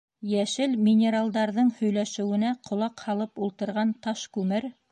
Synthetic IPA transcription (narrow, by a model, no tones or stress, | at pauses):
jæʃɘlmʲɪnʲeɾalˠd̪ɑɾðɤɴhɵ̆jlæʃɘ̆wɘ̆næqʰŏlˠɑqhɑlˠɤpulˠt̪ɤ̆ɾʁɑnt̪ɑʃkʉmɘɾ